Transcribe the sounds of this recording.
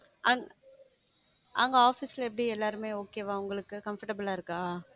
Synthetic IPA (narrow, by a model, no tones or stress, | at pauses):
ʔɐŋɡ | ʔaŋɡɐaːfislɛp̬ːɐɽiɛlːaːɾɯmeːoːkːeːʋãːʊŋɡɐɭɯkːɯkɐmfɐʈɐbɪlaːɪɾɯkːaː